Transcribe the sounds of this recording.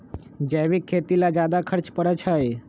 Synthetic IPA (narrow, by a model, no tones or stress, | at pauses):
d͡ʒəːʋikʰːeːt̪ilad͡ʒjaːd̪akʰəɾt͡ʃpəɾət͡ʃʰəe